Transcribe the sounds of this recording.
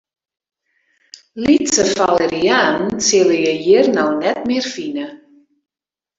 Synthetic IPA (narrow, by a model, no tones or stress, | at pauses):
litsəfaləɾiaːnnsɪləjəjiərnawnɛt̚mɪərfinə